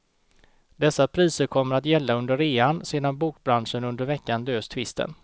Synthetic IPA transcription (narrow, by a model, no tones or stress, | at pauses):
d̪ɛsːapʰɾiːsəɾkʰɔmːəɾat̪jɛlːaɵnd̪əɾeːanseːd̪anbuːk̚bɾanʂənɵnd̪əɾvɛkːanløːst̪ʰvɪst̪ə̰n